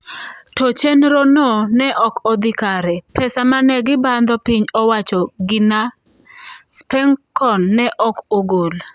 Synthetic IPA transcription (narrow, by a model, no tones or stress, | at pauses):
tot͡ʃenɾonɔnɛʔɔkɔd̪ɪkaɾɛpʰɛsamanɛɡɪband̪ɔpiɲɔwat͡ʃɔɡɪna | spɛŋkɔnːɛʔɔkoɡol